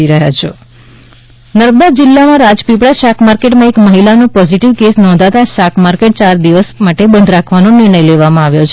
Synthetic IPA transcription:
iɾəɦjat͡ʃʰe | nəɾməd̪ad͡ʒɪlːamãɾad͡ʒpipɽaʃakʰmaɾkeʈmãekməɦilanũpɔziʈiʋkesnɔ̃nd̪ʱat̪aʃakʰmaɾkeʈ̚t͡ʃaɾd̪iʋəsmaʈebənd̪ʱɾakʰʋanonɪɾɳəjleʋamãaʋjot͡ʃʰ

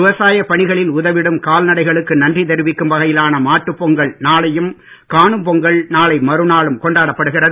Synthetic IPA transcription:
ɪʋɐsaːjɐpːɐɳɪɣɐɭɪlʊðɐʋɪɽɯmkaːlnɐɽɐɪɣɐɭɯkːɯnɐndrit̪ɛɾɯʋɪkːɯmbɐɣɐjɪlaːnɐmaːʈːɯpːɔŋɡɐɭnaːlɐjɯm | kaːɳɯmpɔŋɡɐɭnaːɭɐɪmɐɾɯnaːɭɯmkɔɳɖaːɽɐpːɐɽɯɣɪrɐðɯ

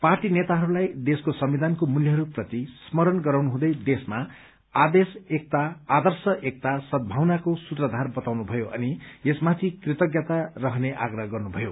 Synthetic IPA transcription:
parʈinet̪aɦʌɾulajd̪eskosʌmid̪ʱankomuljʌɦʌɾuprʌt̪ismʌɾʌnɡʌɾawnuɦũd̪ʌjd̪esma | ad̪esek̚t̪aːd̪ʌrsʌʔek̚t̪asʌd̪̚bʱawnakosut̪rʌd̪ʱarbʌt̪awnubʱʌjoʔʌ̰niesmat̪ʰikrit̪ʌɡjat̪arʌɦʌneʔa̰ɡrʌɦɡʌrnubʱʌjo

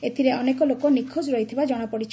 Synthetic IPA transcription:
et̪ʰiɾeɔnekɔlokɔnikʰːod͡ʒɾɔɦit̪ʰibad͡ʒɔɽ̃apɔɽit͡ʃʰ

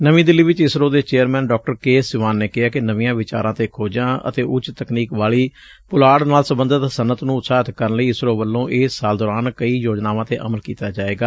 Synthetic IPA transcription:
nəʋĩːd̪ɪliːʋɪt͡ʃɪsɾoːd̪eːt͡ʃeːəɾmɛ̃ːnɖɔːk̚ʈəɾkeːsɪʋaːnːeːkɪaːkɪnəʋɪ̃jãːʋɪt͡ʃa̰ːɾãːt̪eːkʰoːd͡ʒãːʔə̰t̪eːʔʊt͡ʃt̪əkniːkʋaːɭiː | pʊlaːɽnaːlsəmbənd̪ət̪sənət̪nũːt̪saːt̪kəɾənləiːɪsɾoːbəlːõːʔeːsːaːld̪ɔːɾaːnkəiːjoːd͡ʒnaːʋãːt̪eːʔə̰məlkiːt̪aːd͡ʒaːeːɡaː

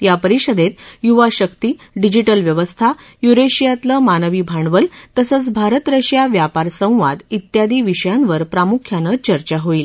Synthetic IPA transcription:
japəɾiɕəd̪ʱet̪juʋaɕək̚t̪i | ɖid͡ʑiʈəlʋjəʋəst̪ʰa | juɾeɕijat̪ləmanəʋibʱaɳʋəlt̪əsət͡sbʱaɾət̪ɾəɕjaʋjapaɾsə̃w̃ʋad̪it̪jad̪ʱiːʋiɕəjanʋəɾpɾamukʰjanət͡ɕəɾt͡ɕaɦoil

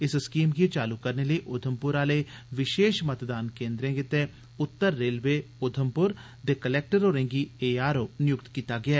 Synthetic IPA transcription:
ɪsskiːmɡit͡ʃaːlukəɾneləiʔʊd̪ʱəmpʊɾaːleʋɪʃeːʃmət̪d̪aːnkẽːnd̪ɾẽːɡet̪e | ʊt̪ːəɾːeːlʋeːʊd̪ʱəmpʊɾ | t̪eːkəlɛːk̚ʈəɾoːɾẽːŋɡieːaːɾoːnɪjʊk̚t̪kiːt̪aːɡɪaː

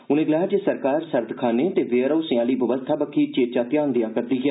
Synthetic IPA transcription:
ʊnẽːɡlɛːd͡ʒeːsəɾkaːɾsəɾd̪ʱkʰaːneːt̪eːʋeːɾəsɪ̃ãːliːbəʋəst̪ʰaːbəkʰːiːt͡ʃeːt͡ʃaːt̪ɪjãːnd̪ijaːpət̪ɾiːɡjaː

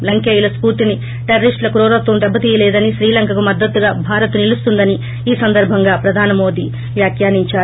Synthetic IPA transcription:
lɐŋkeːjulɐspuːɾt̪ini | ʈeɾɐɾisʈlɐkuɾɔːɾɐt̪ːʋɐmd̪ɛbːɐt̪iːjɐlɛːd̪ɐniʃɾiːlɐŋkɐkumɐd̪ːɐt̪ːuɡaːbʱaːɾɐt̪unilust̪und̪ɐni | iːsɐnd̪ɐɾbʱɐŋɡaːpɾɐd̪ʱaːnɐmo̞ːd̪iː | ʋjaːkjaːniɲt͡ʃaː

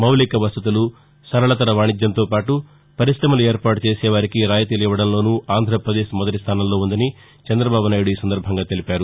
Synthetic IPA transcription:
mɐwlikɐʋɐst̪ut̪̬ulu | sɐɾɐɭɐt̪ɐɾɐʋaːɳid͡ʒ̪jɐnt̪oːpaːʈu | pɐɾisɾɐmɐlueːɾpaːʈut͡ʃeːsɛːʋaːɾikiɾaːjɐt̪iliʋɐɽɐnlo̞ːnuːʔaːnd̪ʱɾɐpɾɐd̪eːʃmɔd̪ɐʈist̪ʰaːnɐmlo̞ːund̪ɐni | t͡ʃɐnd̪ɾɐbaːbunaːjuɽuiːsɐnd̪ɐɾbʱɐŋɡaːt̪e̞lipaːɾu

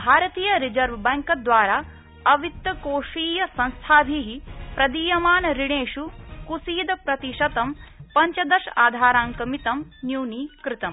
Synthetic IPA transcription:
bʱaːɾɐt̪iːjɐɾid͡ʒɐɾʋbɛːŋkɐd̪ʋaːɾaː | ɐʋit̪ːɐkoːʂiːjɐsɐ̃nst̪ʰaːbʱiɦipɾɐd̪iːjɐmaːnɐɾiɽeːʃukusiːd̪ɐpɾɐt̪iʃɐt̪ɐmpɐɲt͡ʃɐd̪ɐʃa̰ːd̪ʱaːɾaːŋkɐmit̪ɐmnjuːniːkɾɪt̪ɐm

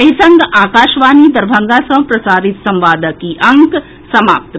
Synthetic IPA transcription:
ɐɦisɐŋɡaːkaːʃʋaːnid̪ɐɾbʱaŋɡasɐ̃pɾɐsaːɾit̪sɐ̃mʋaːd̪ʱəkiʔɐŋk | sɐma̰ːp̚t̪

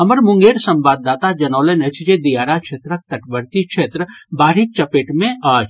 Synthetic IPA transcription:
ɐməɾmʊ̃ŋɡeːɾsɐ̃mbaːd̪ːaːt̪ad͡ʒɐnɔːlenet͡ʃd͡ʒed̪ijaːɾakʃʰeːt̪ɾək̚t̪ɐʈbəɾt̪ikʃʰeːt̪ɾəbaːɾit͡ʃɐpeːʈmẽaːd͡ʒ

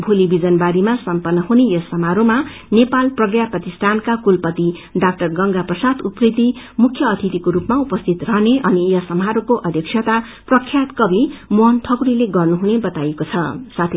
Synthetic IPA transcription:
bʱulibid͡zʌnbaɾimasʌmpʌnːʌɦunejʌsʌmaɾoma | nepalprʌɡjaprʌt̪ist̪ʰankakulpʌt̪iɖak̚ʈʌrɡʌŋɡaprʌsad̪uprid̪i | mukʰːjʌːt̪ʰit̪ikoɾupmaupʌst̪ʰit̪rʌɦneʔʌnijʌsʌmɦaɾokoʔʌd̪ʱjʌksʰjʌt̪a | prʌkʰːjat̪kʌbʱimuɦʌnt̪ʰʌkuɾileɡʌrnuɦunebʌt̪ajekot͡sʰʌsat̪ʰe

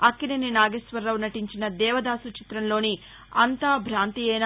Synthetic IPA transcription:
ɐkːinininaːɡesʋɐɾːɐwnɐʈiɲt͡ʃinɐd̪ɛːʋɐd̪aːsut͡ʃi̥t̪ɾɐnlo̞ːni | ɐnt̪aːbʱɾaːnt̪iɛːna

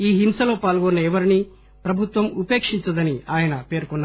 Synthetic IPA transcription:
iːɦimsɐlo̞ːpaːlɡonːɐɛʋɐɾini | pɾɐbʱut̪ʋɐmupeːkʂiɲt͡ʃɐd̪ɐniaːjɐnɐpe̞ːɾkunːa

